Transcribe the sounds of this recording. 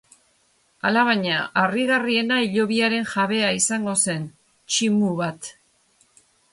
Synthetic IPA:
alaβaɲaːriɣarie̞naiʎo̞βiaɾe̞nʝaβe̞aisaŋɡo̞se̞n | t͡ʃimuβat̪

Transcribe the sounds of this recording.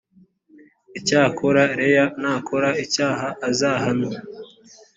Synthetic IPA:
icaːkʰoɾaɾejanaːkʰoɾaicaːɦaʔːzaːhano

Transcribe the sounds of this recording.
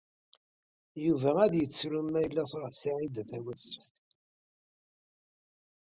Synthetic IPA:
juvææðjət͡sːɾumːæjəlːæsʁəsiʕid̪θæwæsəft̪

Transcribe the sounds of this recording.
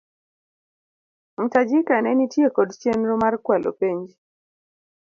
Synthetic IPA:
m̩tad͡ʒikanɛnitjekɔdt͡ʃenɾɔmarkwalʔo̰peɲd͡ʒi

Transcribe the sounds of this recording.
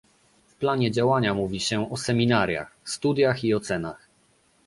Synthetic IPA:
fplaɲɛd͡ʑawaɲamuvʲiɕɛɔsɛmʲinaɾʲja̰xst̪ud̪ʲjaxiɔt̪sɛna̰x

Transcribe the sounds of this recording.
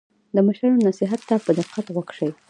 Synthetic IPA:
d̪əmaʃɾaɾonasɪɦat̪ːapəd̪ɪfqat̪ɣwaɡʂəj

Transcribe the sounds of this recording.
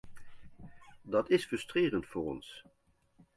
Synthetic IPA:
dɑtɪsfɵstreːrəntfʊːɾɔ̰ns

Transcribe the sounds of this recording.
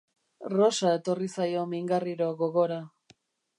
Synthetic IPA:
ro̞sae̞t̪o̞risajo̞miŋɡariɾo̞ɣo̞ɣo̞ɾa

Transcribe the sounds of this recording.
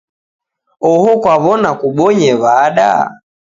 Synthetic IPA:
ɔhɔkwaβɔnakuɓɔɲɛβaːɗa̰

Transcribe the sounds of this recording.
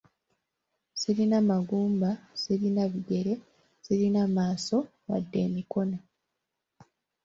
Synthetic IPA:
siɾinamaɡuːmbasiɾinaβiɡe̞ɾe̞ | siɾinamaːso̞ | wa̰dːe̞ːmiko̞na

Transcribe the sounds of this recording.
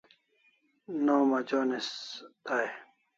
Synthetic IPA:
noːmad͡ʑoːnest̪ae

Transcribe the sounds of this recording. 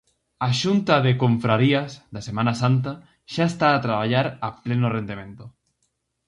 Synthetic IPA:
aʃunt̪aðekoɱfɾaɾiazðasemãnasant̪a | ʃaest̪aːt̪ɾaβ̞aʎaɾaplenʊrend̪emẽnt̪ʊ

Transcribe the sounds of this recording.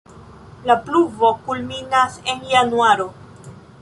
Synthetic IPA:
lapluvo̞kulminase̞njanuaɾo̞

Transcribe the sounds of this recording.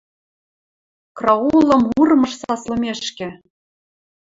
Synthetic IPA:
krɑulˠɤ̆murmɤ̆ʃsɑslɤ̆mʲeʃkʲɘ̆

